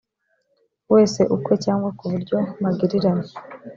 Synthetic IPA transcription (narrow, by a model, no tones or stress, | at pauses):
we̞ːse̞ʔukwe̞caːŋɡwakuβuɾɟo̞maɡiɾiɾane